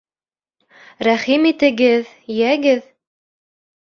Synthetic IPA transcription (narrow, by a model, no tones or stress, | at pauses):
ɾæχimit̪ɘ̆ɡɘð | jæɡɘð